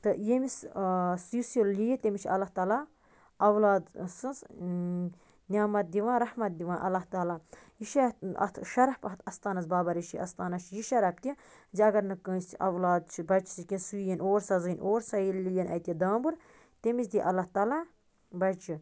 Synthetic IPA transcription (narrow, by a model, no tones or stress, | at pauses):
t̪ɨjemissusollʲijet̪ʲemʲit͡ʃʰɐlːaht̪aːla | ɐwlaːd̪sɨns | nʲaːmɐt̪̚d̪iʋãːnɾɐhmɐt̪̚d̪iʋãːnʔɐ̰lːaht̪aːlaːjiʃaɐ̰t̪ʰʃɐɾɐhpɐt̪ʰɐst̪aːnɐzbaːbɐɾiʃiʔɐ̰st̪aːnɐt͡ʃʰjiʃɐɾɐp̚t̪i | ziɐɡɐɾnɨkə̃ːst͡ʃʰiʔɐʋlaːd̪̚t͡ʃʰibɐt͡ʃʰi̥sikʲinsujenoːɾsɐzɨnʔoːɾsɐjilːijɐnɐ̰jt̪ʲɐd̪aːbɨɾ | t̪emit͡ʃʰd̪iʔɐlːaht̪aːlaː | bɐt͡ʃʰi